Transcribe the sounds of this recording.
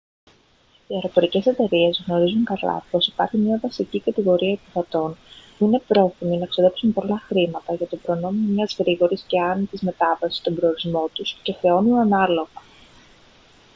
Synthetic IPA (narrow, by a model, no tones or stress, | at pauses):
iɐɾo̞po̞ɾice̞se̞t̪e̞ɾie̞zɣno̞ɾizuŋkɐlɐ̰po̞si̥pɐɾçimɲɐvɐsicikɐt̪iɣo̞ɾiɐepiθɐt̪o̞npuine̞pɾo̞θiminɐeksoðe̞psumpo̞lɐxɾimɐt̪ɐʝɐt̪obɾo̞no̞miomɲɐzɣɾiɣo̞ɾisce̞ɐnit̪izme̞t̪ɐvɐsi̥st̪o̞mbɾe̞oɾizmo̞t̪usce̞xɾe̞o̞nunɐnɐlo̞ɣɐ